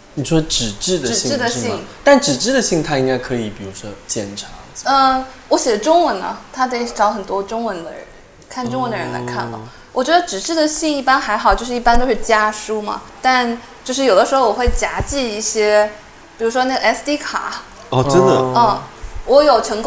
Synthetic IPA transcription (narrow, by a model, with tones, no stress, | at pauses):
ni˨˩ʂwɔ˥ʈ͡ʂɻ̩˨˩ʈ͡ʂɻ̩˥˩d̪ə˧˨˩ɕi˥ʈ͡ʂɻ̩˥˩d̪ə˨˥ɕi˥˩ŋt̪a˥˩nʈ͡ʂɻ̩˨˩ʈ͡ʂɻ̩˥˩d̪ə˩ɕi˥˩ŋt̪ʰa˥i˥ŋka˥ɪkʰɤ˧˥i˨˩pi˨˩ɻu˧˥ʂwɔ˥t͡ɕjɛ˥˧˩nʈ͡ʂʰɑ˧˥˦ŋə˧wɔ˧˥ɕjɛ˨˩ə˦ʈ͡ʂʊ˥ŋwə˧˥nɐ̰˧t̪ʰa˥t̪e˧˩ɪʈ͡ʂɑ˧˥ʊxə˨˩nt̪wɔ˥ʈ͡ʂʊ˥ŋwə˧˥nd̪ə̰˧ɻə˧˦n | kʰa˥˩nʈ͡ʂʊ˥ŋwə˧˥nd̪ə˧ɻə˧˥nla̰˧˥ɪkʰa̰˥˩nlə̰˨˩ | wɔ˨˩t͡ɕɥɛ˧˥d̪ə˧ʈ͡ʂɻ̩˨˩ʈ͡ʂɻ̩˥˩d̪ə˩ɕi˥˧ŋi˥˩pa˥nxa˧˥ɪxɑ˨˩ʊt͡ɕjʂɻ̩˥˩˧i˥˩p̬a˥nt̪o˥ʊʂɻ̩˥˩t͡ɕja˥ʂu˥mɐ̰˨ | t̪a˥˧n | t͡ɕjo˥˧ʊʂɻ̩˥˩jo˨˩ʊd̪ə˦ʂɻ̩˧˥xo˥˧ʊwɔ˨˩xwe˥˩ɪt͡ɕja˧˥t͡ɕi˥˧i˥˩ɕjɛ˥ | pi˨˩ɻu˧˥ʂwɔ˥na˥˩ɡə˩ɛ˥st̪i˥kʰa̰˨˩˦ | ɔ˥˧ʈ͡ʂə˥nd̪ə̰˨ə˥˩wɔ˧˥jo˨˩ʊʈ͡ʂʰɤ˧˥ŋk